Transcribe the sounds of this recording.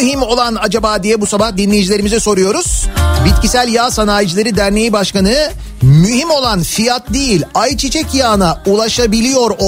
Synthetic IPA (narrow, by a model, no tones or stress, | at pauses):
ɦimo̞lˠanad͡ʒabaːd̪ijɛbusabahd̪inlʲe̞jid͡ʒilʲe̞ɾimizɛso̞ɾujo̞ɾuz̥bit̪cisælʲjaːsanaːjid͡ʒilˠeɾid̪æɾne̞jibaʃkanɯ | myhimo̞lˠanfijat̪̚d̪ejilʲajt͡ʃʰit͡ʃʰɛcjaːnaulˠaʃabilʲijo̞ɾo